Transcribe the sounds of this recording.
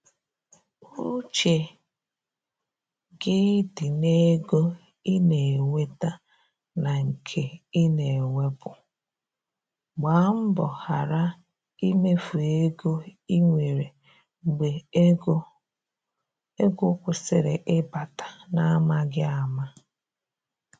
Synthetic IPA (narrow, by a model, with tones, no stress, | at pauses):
u˦ɾu˦t͡ʃe˨ | ɡɪ˦dɪ˨ne˦ɡo˦ | i˦ne˨ŋʷe˦ta˦ | na˨ŋ̩˨kʰe˨i˦ne˨e˨wʷe˦bʊ˨ | ɡ͡ba˨˦m̩˦bɔ˨ha˨ɾa˦ | i˦me˦fu˨e˦ɡo˦i˦ŋʷe˨ɾe˨ | ɡ͡be˨˦ | e˦ɡʊ˦kʷʊ˨sɪ˨ɾe˨ʔɪ˦ba˨tḁ˨na˦ma˦ɡɪ˦a˨ma˦